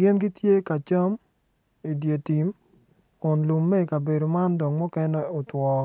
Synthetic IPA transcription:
ɡɪ˦nɡi˦tje˦ka˨t͡ʃa˦m | i˨dje˨ti˨m | kʊ˨nlu˨mːɛ˦i˨ka˨be˨do˨ma˦ndɔ˨ŋmɔ˦kɛ˦nɛ˦ɔ˨twɔ˨

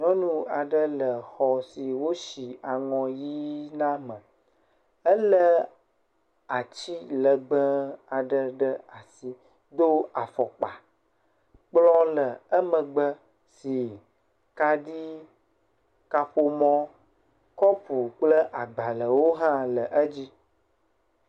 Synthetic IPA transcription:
ɲɔ̃˦nũ˦a˨ɖə˦lə˨xɔ˨si˨wo˦ʃi˨a˨ŋɔ̃˨ji˦nã˦mə̃˨ | ə˦lə˦ | a˨t͡ɕi˦lə˨ɡ͡bə˦a˨ɖə˦ɖə˦a˨si˦ | d̪o˦a˨fɔ˨k͡pa˨ | k͡plɔ˦lə˨ə˦mə̃˨ɡ͡bə˦ | si˨ | ka˦ɖi˦ | ka˨ɸo˨mɔ̃˦ | kɔ˦ɸu˨k͡plə˦ʔa˨ɡ͡ba˨lə˨wo˦ɦã˦lə˨ʔə˦d͡ʑi˦

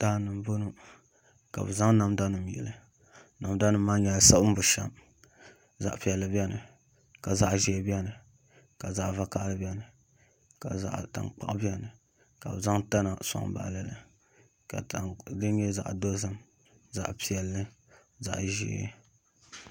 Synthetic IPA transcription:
d̥aː˦nɨ˨m˦bo˦nu˦ | ka̰˨bɨ˨za˦ŋna˨mda˦nɨ˨m˨jɛ̰˨lɨ˨ | na˨mda˦nɨ˨mː˦aː˦ɲɛ˨sa˦bm̩˦bʊ˨ʃa˦m | za̰˨ʔpi˨ɛ˨lːɨ˨bi˦ɛ˦nɨ˨ | ka˨za˦ʔʒi˦e˦bi˦ɛ˦nɨ˨ | ka˨za˦ʔva˦ka˦ʔlɨ˦bi˦ɛ˦nɨ˨ | ka˨a̰˨ʔta̰˨nk͡pa̰˦ʔbi˦ɛ˦nɨ˨ | ka̰˨bɨ˨za˦ŋta˦na˨sa̰˦ŋ˦ba̰˨ʔlɛ˦lɨ˨ | ka˨dɨ˦n˦ɲɛ˦za̰˨ʔdo˦zɨ˦m | za̰˦ʔpi˨ɛ˨lːɨ˦ | za̰˨ʔʒḭ˦˨˦

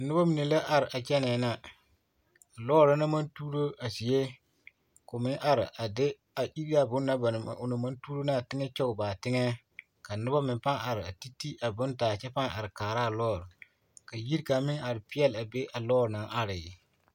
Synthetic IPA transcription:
nʊ˦ba˦mɪ˨ne˨la˦ʔa˨ɾɪ˨ʔa˨t͡ʃɛ˦nɛː˨˦na˦ | a˨lɔː˦ɾɾa˦na˦ma˦ntuː˦ɾo˦a˨si˨je˦ | kʊ˨mɪ˦ʔa˨ɾɪ̰˨ʔa˨dɪ˦ | a˨ʔi˦ɾi˦a˦˨bʊ˦nː˦a˦ba˨n̰˨ʊ˨na˨ma˦ntuː˦ɾo˦na˦˨tɪ˦ŋɛ˦t͡ʃɔ˦ʊ˨ba˨tɪ˦ŋɛ˦ | ka˨nʊ˦ba˦mɪ˨pa˦ŋa˨ɾɪ˨a˨ti˦ti˦ʔa˨bʊ˦ntaː˨t͡ʃɛ˦pa˦ŋa˨ɾɪ˨kaː˨ɾa˦˨lɔː˦˨ɾ | ka˨ji˦ɾka˨mɪ˦ŋa˨ɾɪ˨pɪ˦jɛ˦la˨be˦ʔa˨lɔː˦˨ɾna˨ʔa˦ɾɪ˨

